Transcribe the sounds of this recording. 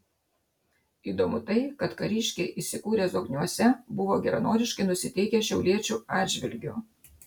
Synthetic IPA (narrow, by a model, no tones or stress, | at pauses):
iːd̪omʊt̪ɐɪkɐt̪kɐɾʲiːʃʲkʲeɪʔiːsʲɪkuːɾʲeːzɔɡnʲuɔsʲɛbʊʋoːɡʲɛɾɐnoːd̪ʲɪʃkɐɪnʊsʲɪt̪ʲɛɪkʲɛʃʲɛʊlʲiɛt͡ʃʲuːɑːd̪ʲʒʲʋʲɪlʲɡʲuːˑ